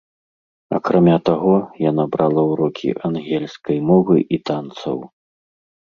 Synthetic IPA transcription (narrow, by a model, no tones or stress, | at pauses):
ɐ̰kɾamʲat̪aɣɔjanabɾalˠɐwɾɔkʲʰḭʔanɣʲɛlʲsʲkɐjmɔvɨʔit̪ant̪sɐ̰w